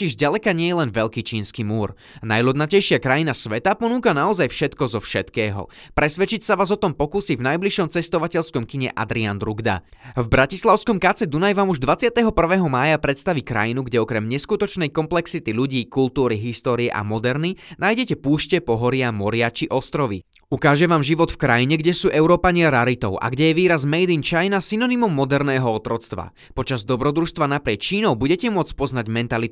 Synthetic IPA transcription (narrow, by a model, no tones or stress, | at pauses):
ɔciʒzɟalɛkaɲɪɛjɛlɛnʋɛʎkiːt͡ʃiːnskimuːɾ | na̰jlɔd̪nacɛjʃɪakɾajinasʋɛt̪apɔnuːkanaɔzajfʃɛt̪kɔzɔfʃɛt̪kɛːɦɔ̰ | pɾɛsʋɛt͡ʃicsaʋaːzɔt̪ɔmpɔkuːsivnajbliʃɔmt͡sɛst̪ɔʋacɛʎskɔmkiɲɛ̰ʔa̰d̪ɾiand̪ɾuɡd̪a̰ | vbɾacislˠaʊskɔmkaːt͡sɛd̪unajʋaːmuʒd̪ʋat͡sɪat̪ɛɦɔpr̩ʋɛːɦɔmaːjapɾɛt̪st̪aʋikɾa̰jinuɡɟɛɔkɾɛmɲɛskut̪ɔt͡ʃnɛjkɔmplɛksit̪iʎuɟiːkult̪uːɾiɦist̪ɔːɾiɛʔa̰mɔd̪ɛɾninaːjɟɛcɛpuːʃcɛpɔɦɔɾɪamɔɾɪat͡ʃiʔɔst̪ɾɔʋḭ | ukaːʒɛʋaːmʒiʋɔt̪fkɾajiɲɛɡɟɛsuːʔɛʊɾɔːpaɲɪaɾaɾit̪ɔʊʔa̰ɡɟɛjɛʋiːɾazmɛjd̪int͡ʃajnasinɔnimɔmːɔd̪ɛɾnɛːɦɔɔt̪ɾɔt͡st̪ʋa̰ | pɔt͡ʃazd̪ɔbɾɔd̪ɾuʃst̪ʋanapɾɪɛt͡ʃiːnɔʊbuɟɛcɛmʊɔt͡spɔznaɟmɛnt̪ali